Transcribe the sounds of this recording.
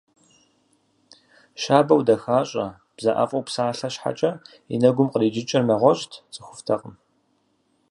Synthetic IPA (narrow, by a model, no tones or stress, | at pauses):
ʃaːbɐwdɐxaːɕʼɐ̰ | b̥zɐ̰ʔɐ̰fʼɐwpsaːɬɐɕħa̰t͡ʃʼɐ | ḭnɐɡʷʊmqəriːd͡ʒɪt͡ʃʼɪrnɐʁʷɔɕtʰt͡sʼɨxʷʊftʰɐqəm